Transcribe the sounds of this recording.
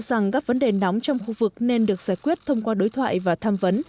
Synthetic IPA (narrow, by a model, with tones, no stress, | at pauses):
za˨˩ŋkaː˦˥k̚və˨˦nɗe˨˩nɔ˨˦wŋ͡mt͡ɕɔ˧wŋ͡mxu˧vɨ˨˩k̚ne˧nɗɨ˨˩ək̚saː˧˩jkwi˦˥ət̚t̪ʰə˧wŋ͡mkwaː˧ɗo˨˦jt̪ʰwa̰ː˧˨jvaː˨˩t̪ʰaː˧mvə˨˦n